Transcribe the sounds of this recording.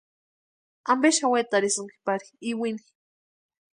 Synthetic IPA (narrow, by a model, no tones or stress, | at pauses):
ambeʃawet̪aɾisuŋki̥paɾi̥iwini̥